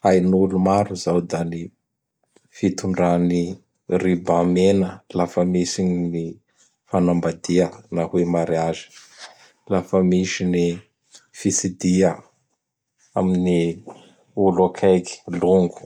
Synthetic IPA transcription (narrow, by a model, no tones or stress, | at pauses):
ajnulumaɾuzawd̪ani | fit̪uɳɖ͡ʐani | ribãmenəlafəmisiɲini | fanambad̪iənahwemaɾiazi̥ | lafəmiʃini | fisid̪iə | a̰mini | ulakʰajki̥luŋɡu̥